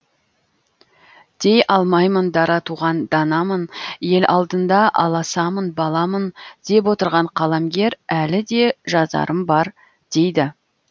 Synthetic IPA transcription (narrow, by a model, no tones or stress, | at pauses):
d̪̥e̞jɑlˠmɑjmənd̪ɑɾɑt̪uʁɑnd̪ɑnɑmənje̞lʔɑlˠd̪ənd̪ɑʔɑ̰lˠɑsɑmənbɑlˠɑmənd̪̥e̞p̬wo̞t̪əɾʁɑɴqʰɑlˠɑmɡʲe̞ɾælɪd̪e̞ʒɑzɑ̰ɾʔəmbɑɾ | d̪̥e̞jd̪ɪ